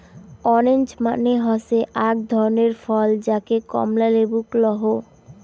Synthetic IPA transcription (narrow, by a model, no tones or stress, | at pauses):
ɔɾend͡ʑma̰neɦɔseʔaɡ̚d̪ʱɔɾoneɾfɔld͡ʑakekɔ̰mlalebuklɔɦo